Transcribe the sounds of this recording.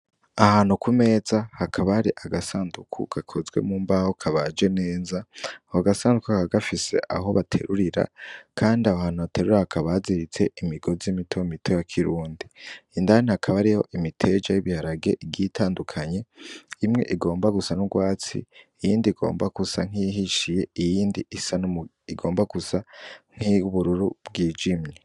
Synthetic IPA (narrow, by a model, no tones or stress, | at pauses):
ahaːn̥ukume̞ːzahakʰaβaɾiʔaɡasaːndukʰṵɡ̥akʰozɡwe̞̰muːmbahokʰaβad͡ʒe̞ne̞ːzawaɡasaːndukukaɡafise̞̰ʔa̰ɦo̞βatʰe̞̰ɾuɾiɾa̰kʰaːndiahaːn̥uβate̞ɾuɾahakʰaβaziɾit͡se̞ʔimiɡo̞zimitʰoimitʰojakʰiɾuːndiindanaakʰaβaɾiho̞̰ʔimitʰe̞d͡ʒajiβihaɾaɡe̞ʔiɡitʰaːndukʰaɲe̞imŋe̞̰ʔiɡo̞ːmbaɡusanuɡwaːt͡sḭijiːndiiɡo̞̰ːmbakusaŋ̥iiɦiʃije̞ijiːndiisanu | iɡo̞ːmbaɡusaŋ̥hiβuɾuɾub̚ɡiːd͡ʒimɲe